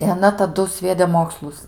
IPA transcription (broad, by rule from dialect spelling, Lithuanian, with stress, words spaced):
ɪ ɐˈnɐ tɐˈdʊ ˈsʲʋʲiɛdʲɛ ˈmoːkslˠʊs